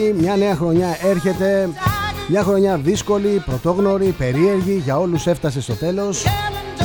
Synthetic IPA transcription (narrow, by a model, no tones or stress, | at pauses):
imɲɐne̞ɐxɾo̞ɲɐe̞ɾçe̞t̪e̞ | mɲɐxɾo̞ɲɐðisko̞lipɾo̞t̪o̞ɣno̞ɾipe̞ɾie̞ɾʝiʝɐo̞luse̞ft̪ɐse̞st̪o̞t̪e̞lo̞s